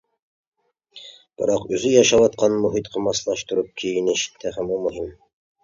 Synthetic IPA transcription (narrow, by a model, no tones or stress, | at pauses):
b̥ɪɾɑqʉzɵjɑʃɑwɑt̪̚qɑnmɵɦit̪qʰɤ̆mɑslˠɑʃt̪ŏɾup̚kʲʰijineʃɪ̥t̪ʰːæhæmumɵɦim